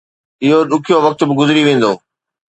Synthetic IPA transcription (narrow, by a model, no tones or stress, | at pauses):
ɪɦoɗʊkʰijoʋɐk̚t̪bɪɡʊzɾiʋẽːn̆d̪oː